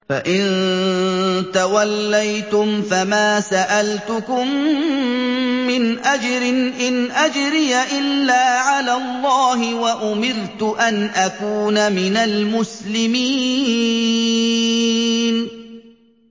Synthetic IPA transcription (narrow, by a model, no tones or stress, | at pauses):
fa̰ʔɪn | t̪awalːajt̪ʊmfamaːsaʔalt̪ʊkʊm | ɪnʔad͡ʒɾɪʔɪnʔad͡ʒɾɪjaʔɪlːaːʕalaːlˤːɑːɦɪwaʔʊmɪɾt̪ʊʔanʔakuːnamɪnalmʊslɪmiː | n